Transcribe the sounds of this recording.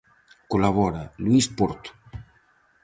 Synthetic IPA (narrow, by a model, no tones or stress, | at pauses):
kolavɔɾaluispoɾt̪u̥